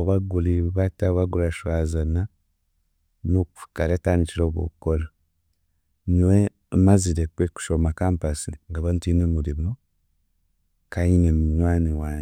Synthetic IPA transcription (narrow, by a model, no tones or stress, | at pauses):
oβaɡuliβataβaɡulaʃwaːzana | noku̥fu̥kaɾetaːniciɾoβo̰kola | ɲiwe | maziɾekweku̥ʃomakaːmpasiŋɡaβantinomuɾimo | kajinemuɲwaːniwaː